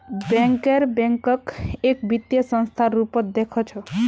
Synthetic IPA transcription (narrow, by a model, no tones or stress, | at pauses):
bɛ̃ŋkeɾbɛ̃ŋkɔkekbit̪jəsə̃nst̪ʰaɾupɔt̪̚d̪ekʰɔt͡ʃʰɔ